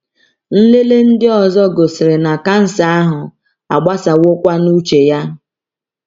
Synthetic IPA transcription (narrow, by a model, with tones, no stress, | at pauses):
n̩˦le˦le˦n̩˦dɪ˦ɔ˨zɔ˦ɡo˨sɪ˨ɾɪ˨na˨ka˦n̩˦sa˦a˦ɦʊ˨ | a˨ɡ͡ba˦sa˨wʊ˦kʷa˦nu˦t͡ʃe˨ja˦